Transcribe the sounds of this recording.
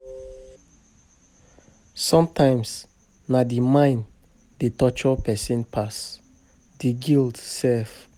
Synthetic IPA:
sɔ̃mtʰãɪ̃ms | nadimãɪ̃n | detɔt͡ʃɔpɛsĩnpʰas | d̥iɡildsɛf

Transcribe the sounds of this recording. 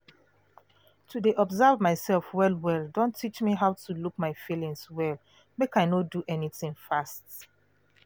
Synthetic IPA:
tʰudeʔɔbzavmaɪsɛlfwɛlwɛlˠdõntʰːit͡ʃmiɦaʊtulukmaɪfilĩŋswɛl | mekaɪnoduʔɛniθɪ̃ŋfast

